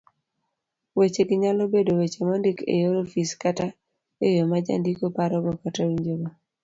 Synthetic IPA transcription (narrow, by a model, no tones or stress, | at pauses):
wet͡ʃeɡɪɲalobedowet͡ʃemɔndɪkḛjoɾofiskata | ejomad͡ʒa̰ndikopaɾɔɡɔkatawiɲd͡ʒoɡo